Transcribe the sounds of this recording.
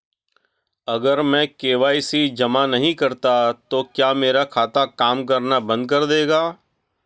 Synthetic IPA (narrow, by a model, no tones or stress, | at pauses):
ɐɡəɾmɛ̃ːkeːʋaːisid͡ʒɐmanɐɦĩkɐɾt̪at̪oːkjaːmeːɾakʰaːt̪akaːmk̬ɐɾnabɐ̃nd̪̚kɐɾd̪eːɡaː